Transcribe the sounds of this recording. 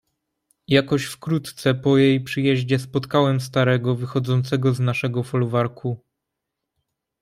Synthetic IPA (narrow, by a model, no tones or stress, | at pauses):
jakɔɕfkɾut̪t̪sɛpɔjejpʂɘjɛʑd͡ʑɛspɔt̪kawɛms̬t̪aɾɛɡɔvɘxɔd̪zɔnt̪sɛɡɔznaʂɛɡɔfɔluvaɾkʰu